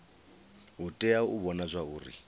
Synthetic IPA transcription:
utʼɛauβɔnazʷauːrḭ

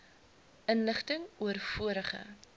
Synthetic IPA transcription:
ʔənləχtəŋuərfuəɾəχə̰

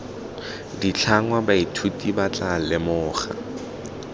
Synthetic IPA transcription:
dit͡ɬʰaŋwabaitʰutʼibat͡ɬʼalɪmʊːχa̰

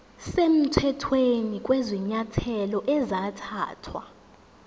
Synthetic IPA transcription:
sem̩tʰɛtʰwenik̬ʼwɛziɲatʰɛlɔʔɛzatʰa̰ːtʰwa̰

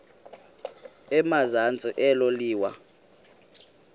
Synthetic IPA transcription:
ɛmazant͡sʼiʔɛloliːwa

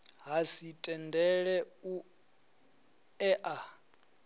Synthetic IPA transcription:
ɦasitʼɛndʱɛɺɛu | ɛʔa

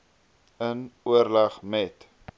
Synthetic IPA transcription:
ənuərlɐχmɛt

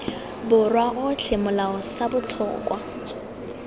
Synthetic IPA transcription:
bʊrwaʔʊt͡ɬʰemʊlaɔsabʊt͡ɬʰɔ̰ːkʼwa

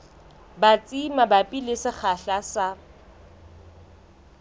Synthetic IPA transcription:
bat͡sʼimabapʼilesɪχaɬasa

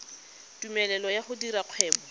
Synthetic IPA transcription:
tumɛlɛlɔjaχʊdiɾaq͡χʰwɛːbɔ

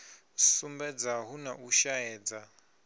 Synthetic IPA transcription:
sumbɛd͡zaɦunaʔuʃaɛːd͡za

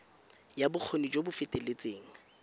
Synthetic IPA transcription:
jabʊq͡χʰonid͡ʒobʊfɪtʼelet͡seːŋ̩

